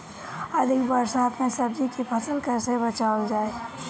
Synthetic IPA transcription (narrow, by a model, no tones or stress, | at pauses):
əd̪ʱɪkbəɾsaːt̪mẽsəb̚d͡ʒikipʰəsəlkəɾsebət͡ʃaɦod͡ʒaːe